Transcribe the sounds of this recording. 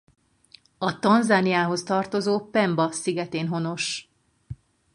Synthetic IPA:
ɒt̪ɒnzaːnijaːɦo̞st̪ɒrt̪o̞zoːpɛmbɒsiɡɛt̪eːnɦo̞no̞ʃ

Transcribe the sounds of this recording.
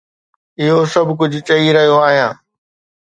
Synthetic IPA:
ɪɦosɐbʱk̬ʊd͡ʑʱʊt͡ɕɐiɾɐɦijoaːɦijãː

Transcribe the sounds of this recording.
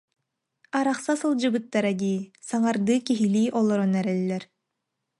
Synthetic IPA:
aɾaχsasɯlˠd͡ʑɯbɯt̪ːaɾaɡ̪iːsaŋaɾd̪ɯːkiɦiliːʔɔlˠɔɾɔnɛɾɛlːɛɾ

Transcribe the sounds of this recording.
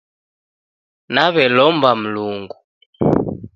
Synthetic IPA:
naβɛlɔmbam̩luŋɡu

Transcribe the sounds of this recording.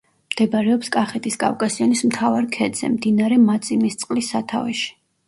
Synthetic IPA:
md̪̥ɛbaɾɛɔpskʼaχɛt̪ʰiskʼa̰vkʼasianismt̪ʰavaɾkʰɛd̪zɛ̰md̪inaɾɛmat̪sʼimist̪sʼqʼlisːat̪ʰa̰vɛʃi̥

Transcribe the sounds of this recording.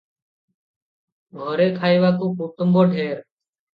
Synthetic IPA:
ɡʱoːɾeːkʰaːiːʋaːkuːkuːt̪əmboːɖʱeːɾ

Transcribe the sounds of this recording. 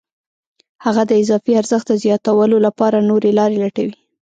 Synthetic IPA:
haɣad̪əɪzɑfiaɾzəxt̪̚d̪əzjɑt̪awəlolapɑɾanoɾelɑɾelaʈawi

